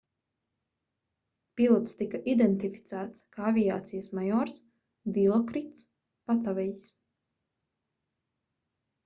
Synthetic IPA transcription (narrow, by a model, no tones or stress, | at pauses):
pilˠɔt̪st̪ikaʔid̪ɛnt̪ifi̥t̪sæːt̪skaːavijaːt̪sijəsmajɔːɾs | d̪ilˠɔkɾit̪s | pat̪avɛjs